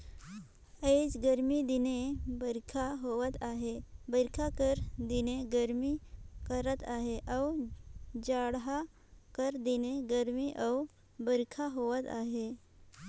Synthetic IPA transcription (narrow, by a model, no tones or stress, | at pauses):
ed͡ʑɡəɾmid̪inebəɾkʰaɦoʋət̪aɦebəɾkʰakəɾd̪ineɡəɾmikəɾət̪aɦeʔaw | d͡ʒaɽɦa | kəɾd̪ineɡəɾmiʔaw | bəɾkʰaɦoʋət̪a̰ɦe